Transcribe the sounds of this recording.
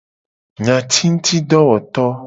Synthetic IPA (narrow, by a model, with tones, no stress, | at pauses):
ɲã˨t̪ʰi˦ŋũ˦t̪i˦ɖɔ˦wɔ˨t̪ɔ˦